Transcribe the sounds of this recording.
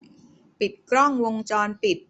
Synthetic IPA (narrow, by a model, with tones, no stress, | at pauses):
pi˨˩t̪̚kɾɔ˥˩ŋwo˧ŋt͡ɕɔː˧npi˨˩t̪̚